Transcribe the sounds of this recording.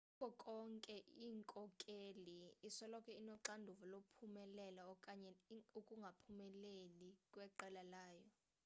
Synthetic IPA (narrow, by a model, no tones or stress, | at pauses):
ukɔkʼɔŋkʼɛiːŋkʼɔkʼeliːsɔlɔkʰɛinɔǁandʱuvulopʰumɛlɛlakʼaɲɛukʼuŋɡʱapʰumɛlelikʼwɛǃɛlalaːjɔ